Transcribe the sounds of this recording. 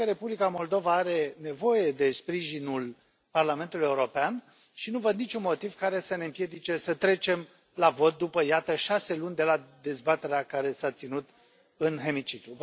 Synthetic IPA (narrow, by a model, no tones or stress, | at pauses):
əɾe̞publikamo̞ld̪o̞vaaɾe̞ne̞vo̞je̞d̪e̞spɾiʒinul | parlame̞nt̪ulujeuɾo̞pean | ʃinuvəd̪nit͡ʃunmo̞t̪iv̥kaɾe̞səne̞ɨmpje̞d̪it͡ʃe̞sət̪ɾe̞t͡ʃe̞m | lavo̞t̪̚d̪upəjat̪əʃase̞lunʲd̪e̞lad̪e̞zbat̪e̞ɾeakaɾe̞sat̪sinut̪ | ɨnɦe̞mit͡ʃit̪ɾuv